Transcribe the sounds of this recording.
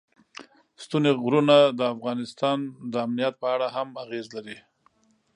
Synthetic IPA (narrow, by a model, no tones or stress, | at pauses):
st̪uneɣɾunad̪əafɣɑnɪst̪ɑnd̪əamnijat̪̚pəaɽaɦamaɣezlaɾi